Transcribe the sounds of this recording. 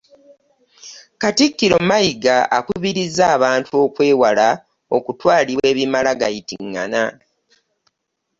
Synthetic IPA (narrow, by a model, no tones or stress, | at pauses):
katikːiɾo̞majiɡaʔakuβiɾizaːβaːntʰuo̞kwe̞ːwala | o̞kutwaːliwe̞ːβimalaɡajitiŋːa̰na